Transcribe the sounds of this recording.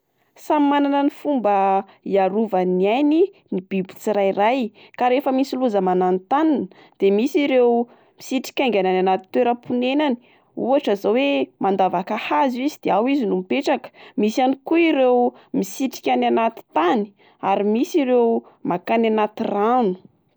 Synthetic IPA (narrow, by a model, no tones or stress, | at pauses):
samimananənifumbə | iaɾuvanajni | nib̥ibu̥t͡siɾajrajkaɾefəmisiluzəmanant̪anan | d̪̥emisiɾew | misiʈ͡ʂi̥kʲaŋɡʲanananat̪i̥t̪weɾəpunenani̥ | uaʈ͡ʂazawemand̪avakahazizid̪̥eawizinumipeʈ͡ʂakə̥misanikuiɾewmisiʈ͡ʂi̥kʲananat̪i̥t̪ani̥ | aɾimisiɾewmakananat̪iranu̥